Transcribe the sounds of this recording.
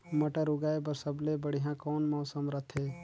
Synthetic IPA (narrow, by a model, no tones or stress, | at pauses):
məʈəɾuɡaːepəɾsəblebəɽ̤iɦãkɔːnmɔːsəmɾət̪ʰɦeː